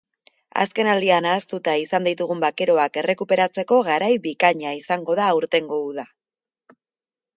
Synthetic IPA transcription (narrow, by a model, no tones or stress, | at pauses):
a̰ske̞nald̪ianaːst̪ut̪aisand̪it̪uɣ̞umbake̞ɾo̞ake̞re̞kupe̞ɾat͡se̞ko̞ɣaɾajbikaɲaisaŋɡo̞ðaːuɾt̪e̞ŋɡo̞uða